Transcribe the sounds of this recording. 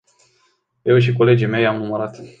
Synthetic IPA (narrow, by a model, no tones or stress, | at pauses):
je̞wʃ̬iko̞le̞d͡ʒijme̞jamuməɾat̪